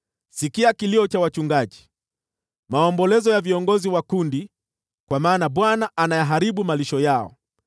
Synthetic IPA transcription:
sikiakiliɔt͡ʃawat͡ʃuŋɡaʄi̥ | maɔmbɔlɛzɔjaviɔŋɡɔziwakundi | kwamaːnaɓwanaʔanajaɦaɾiɓumaliʃɔjaɔ̰

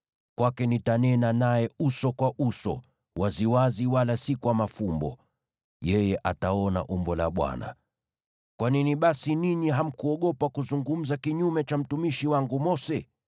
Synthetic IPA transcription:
kwakɛnitanɛnanajɛusɔkwaʔusɔ̰ | waziwaziwalasikwamafumbɔ̰ | jɛjɛʔataɔna̰ʔumbɔla̰ɓwa̰na̰ | kwaniniɓasiniɲiɦam̩kuɔɠɔpakuzuŋɡum̩zakiɲumɛt͡ʃam̩tumiʃiwaŋɡumɔsɛ

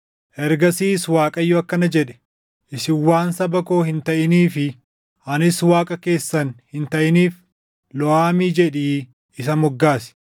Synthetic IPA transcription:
ʔɛɾɡɐsiːswaːkʼɐjːɔɐkːɐnɐd͡ʒɛᶑɛ̥ | ʔɪsɪwːaːnsɐbɐko̞ːhɪnt̪ɐʔɪniːfɪ | ʔɐnɪswaːkʼɐke̞ːsːɐnhɪnt̪ɐʔɪniːf | lɔaːmiːd͡ʒɛᶑiː | ɪsɐmɔɡːaːsɪ̥

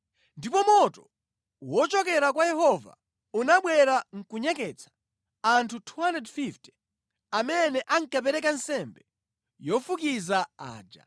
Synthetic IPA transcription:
ndipɔmɔtɔ | wɔt͡ʃɔkɛɾakwajɛhɔva̰ | unaɓwɛɾaŋ̩kuɲɛkɛt͡sʰḁ | antʰutʰuhandɛdfiftɛ̥ | amɛnɛʔaŋ̩kapɛɾɛkansɛmbɛ | jɔfukizaa̰ːd͡ʒa̰

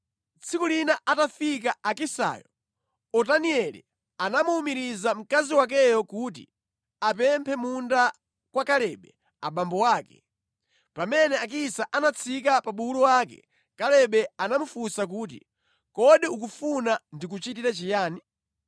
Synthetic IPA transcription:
t͡sʰikulinaʔatafik̬aakisa̰ːjɔ | ɔtaniɛlḭ | anamuːmiɾizam̩kaziwak̬ɛjɔkut̬ḭ | apɛmpʰɛmunda | kwakalɛɓɛ | a̰ɓambɔwaːkɛ̥ | pamɛnɛak̬isaʔanat͡sʰik̬apaɓulɔwaːkɛ̰ | kalɛɓɛanamufusak̬uːt̬ḭ | kɔɗiuk̬ufunandik̬ut͡ʃit̬iɾat͡ʃijaːni

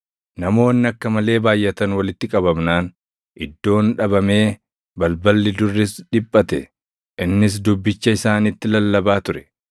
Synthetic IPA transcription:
nɐmo̞ːnːɪɐkːɐmɐle̞ːbaːjʔɛt̪ɐnwɐlɪt̪ːɪkʼɐbɐbnaːn | ʔɪd̪ːo̞ːnᶑɐbɐme̞ː | bɐlbɐlːɪd̪ʊrːɪsᶑɪpʼːɐt̪ɛ | ʔɪnːɪs̬d̪ʊbːɪt͡ʃːɐɪsaːnɪt̪ːɪlɐlːɐbaːt̪ʊɾɛ̥

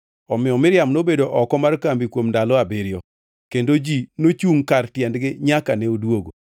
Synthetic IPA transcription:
ɔmɪɔmɪɾjamnobedoʔɔkɔmarkambikwomndalɔabɪɾjɔ | kendod͡ʒinot͡ʃuŋkartjɛndɡɪɲakanɛodwoɡo

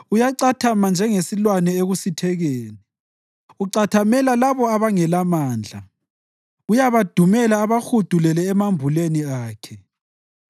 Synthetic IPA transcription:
ujaǀatʰamand͡ʒʱɛŋesilwanɛeɣusitʰɛɣeːni | uǀatʰamɛlalaβɔaβaŋɛlamaːnd͡ɮʱa | ujaβad̥ʱumɛlaːβaxud̥ʱulɛlɛːmambʱuleniaːkʰɛ

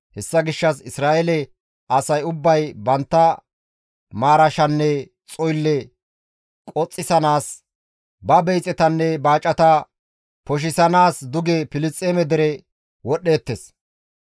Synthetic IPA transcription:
hɛsːɐɡɪʃːɐsɪsɾaːʔɛlɛ | ʔɐsɐjʊbːɐjbɐnt̪ːɐ | maːɾɐʃɐnːɛ | t͡sʼɔjlːɛ | kʼɔt͡sʼːɪsɐnaːs | bɐbɛjt͡sʼɛt̪ɐnːɛbaːt͡ʃʼːɐt̪ɐ | pɔʃ̬ɪsɐnaːsd̪ʊɡɛpɪlɪst͡sʼːeːmɛd̪ɛɾɛ | wɔɗe̞ːt̪ːes

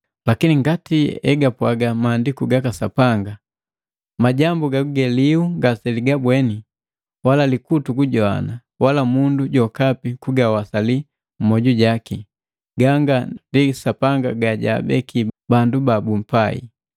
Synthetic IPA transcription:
lakiniŋɡatiɛ̰ɡapwaɡamaːndikuɡakasapaŋɡa | maɟambuɡakuɡɛliuŋɡasɛliɡabwɛni | walalikutukuɟɔa̰na | walamunduɟɔkapikuɡawasali | m̩mɔɟuɟaki | ɡaŋɡandisapaŋɡaɡaɟa̰bɛkʰibandubabum̩paḭ

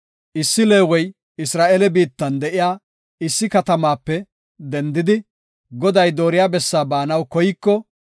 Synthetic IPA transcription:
ʔɪsːɪle̞ːwɔj | ɪsɾaːʔeːlɛbiːt̪ːɐnd̪ɛʔɪjaː | ɪsːɪkɐt̪ɐmaːpːɛ | d̪ɛnd̪ɪd̪ɪ | ɡɔd̪ɐjd̪o̞ːɾɪjaːbɛsːaːbaːnɐwkɔjɪkːɔ

